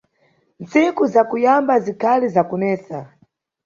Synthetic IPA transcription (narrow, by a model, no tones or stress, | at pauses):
nt͡sikuzakujambazikʰalizakunɛːsa